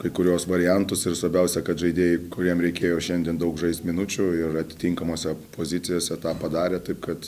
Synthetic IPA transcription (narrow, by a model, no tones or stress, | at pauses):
kɐɪkʊɾʲuɔsʋɐɾʲɪjɛnt̪ʊsɪrsʋɐɾʲbʲɛʊsʲɛkɐt̪ʒɐɪd̪ʲeːjɪkʊɾʲiɛmɾʲɛɪkʲeːjoːʃʲɛnd̪ʲiɛnd̪ɐʊkʒɐɪsʲt̪ʲmʲɪnʊt͡ʃʲʊɪrɐt̪ʲɪ̥t̪ʲiŋkɐmoːsʲɛpʰoːzʲɪt̪sʲɪjoːsʲɛt̪ɑːpɐd̪ɑːɾʲeːt̪ɐɪpkɐt̪